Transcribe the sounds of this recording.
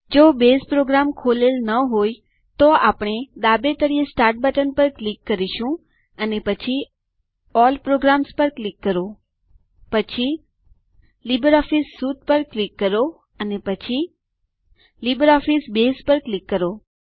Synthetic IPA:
d͡ʒobespɾoɡɾamkʰolelnəɦoj | t̪oapɳ̃ed̪abet̪əɽiesʈaɾʈ̚bəʈənpəɾklikːəɾiʃũ | ənepət͡ʃʰi | ɔlpɾoɡɾamspəɾklikːəɾo | pət͡ʃʰi | libəɾɔfisːut̪̚pəɾklikːəɾo | ənepət͡ʃʰi | libəɾɔfisbespəɾklikːəɾo

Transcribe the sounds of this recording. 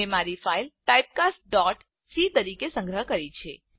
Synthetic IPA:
emaɾifailʈaip̚kasʈ̚ɖɔʈ | sit̪əɾikesə̃ŋɡɾəɦkəɾit͡ʃʰe

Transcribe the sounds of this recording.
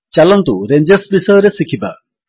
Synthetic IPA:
t͡ʃalɔnt̪uɾeɲd͡ʒesbisɔjɾesikʰiba̰

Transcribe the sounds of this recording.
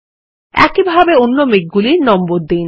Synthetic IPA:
ɛ̰kibʱabeonːomek̚ɡuliɾnɔmboɾd̪ijn

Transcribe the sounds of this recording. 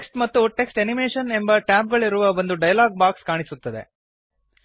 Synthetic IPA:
eksʈmɐt̪ːuʈe̞ksʈenimeːʂɐne̞mbɐʈaːp̚ɡɐɭiɾuʋɐbɐnd̪uɖɐjɐlaːɡ̚baːkskaːɳisut̪ːɐd̪ḛ

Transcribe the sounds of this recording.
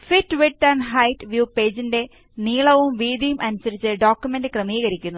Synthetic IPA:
fitːʋiʈːɐrnɦɐjʈʋjuːpe̞ːd͡ʑinde̞ | niːɭɐʋumʋiːd̪ijumʔɐnusɐɾit͡ɕːɨɖo̞ːkʲjume̞ndɨkrɐmiːɣɐɾikʲːunːu

